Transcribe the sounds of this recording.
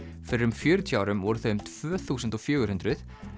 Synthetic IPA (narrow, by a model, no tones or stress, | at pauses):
fɪɾɪɾʏmfjœːɾʏt̪ʰjaːwɾʏmɔɾʏθœmt̪ʰv̥œːθuːsənt̪ɔɣfjœːɣʏɾ̥hʏnt̪ɾʏð